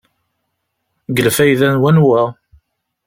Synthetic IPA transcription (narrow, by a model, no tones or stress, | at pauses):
ɡəlfæjðænwænwæ